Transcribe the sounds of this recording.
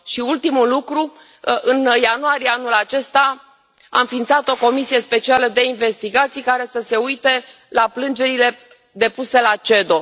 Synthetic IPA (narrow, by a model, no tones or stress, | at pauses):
ʃiult̪imulukɾu | ɨnjanuaɾijeanulat͡ʃe̞st̪a | a̰ɨnfint̪sat̪o̞ko̞misije̞spe̞t͡ʃialəd̪e̞inve̞st̪iɡat̪sijkaɾe̞səse̞ujt̪e̞ | laplɨnd͡ʒe̞ɾile̞ | d̪e̞puse̞lat͡ʃe̞d̪o̞